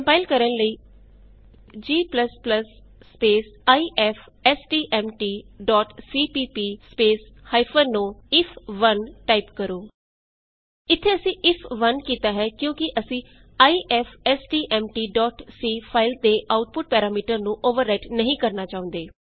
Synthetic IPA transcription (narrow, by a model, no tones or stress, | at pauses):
kəmpaːɪlkəɾənləiː | d͡ʒiːpləspləsː | peːsaːiːʔɛːpʰ | ɛːsʈiːʔɛːmʈiːɖɔːʈsiːpiːpiːspeːs | haːipʰəɾnũːɪpʰʋənʈaːipkəɾõː | ɪt̪ʰːeːəsĩːʔɪpʰʋənkiːt̪aːɦɛːkjõːkɪʔəsĩː | aːiːʔɛːpʰɛːsʈiːʔɛːmʈiːɖɔːʈsiːpʰaːɪlt̪eːʔaːʊʈpʊʈ̚pɛːɾaːmiːʈəɾnũːʔoːʋəɾːɛːʈnəɦĩːkəɾnaːt͡ʃaːʊ̃nd̪eː